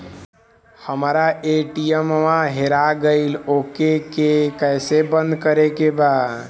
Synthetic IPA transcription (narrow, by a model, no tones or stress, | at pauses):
həmɾaeʈiemʋaɦeɾaɡəɪlokekekəjsebə̃nd̪kəɾekeba